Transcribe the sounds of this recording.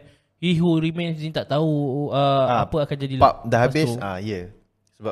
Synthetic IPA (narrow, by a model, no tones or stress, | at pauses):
iɦuɾimɛ̃nsnĩt̪aʔt̪auəapəakand͡ʒadilap̚dəɦabɪsa̰jə | səba